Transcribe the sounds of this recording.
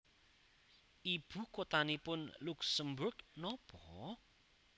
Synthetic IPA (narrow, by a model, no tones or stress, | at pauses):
ʔib̥ṳkot̪anipʊnluksəmbʊrɡnɔpɔ